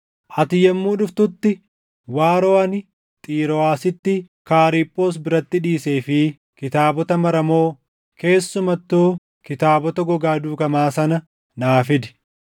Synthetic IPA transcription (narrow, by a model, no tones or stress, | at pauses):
ʔɐt̪ɪjɐmːuːᶑʊft̪ʊt̪ːɪ | waːɾoːɐnɪ | t̪ʼiːɾɔaːsɪt̪ːɪ | kaːɾiːpʼːo̞ːs̬bɪɾɐt̪ːɪᶑiːseːfɪ | kɪt̪aːbɔt̪ɐmɐɾɐmo̞ː | ke̞ːsːʊmɐt̪ːuː | kɪt̪aːbɔt̪ɐɡɔɡaːd̪uːkɐmaːsɐnɐ | naːfɪd̪ɪ̥